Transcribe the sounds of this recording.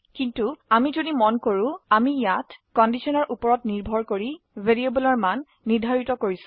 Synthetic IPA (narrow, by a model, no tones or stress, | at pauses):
kintuamizodimɔnkoɹũamijatkɔndisɔnɔɹʔupɔɹɔtniɹbʱɔɹkoɹi | beɹiebɔlɔɹmanːidʱaɹitɔkoɹisʊ̥̃